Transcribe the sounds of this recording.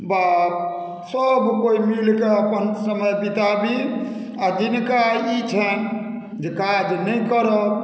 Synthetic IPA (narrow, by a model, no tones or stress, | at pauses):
ba | səbkoimilkeəpənsəməjpit̪abi | ad͡ʒinkait͡ʃʰən | d͡ʒekad͡ʒnəjkəɾɔ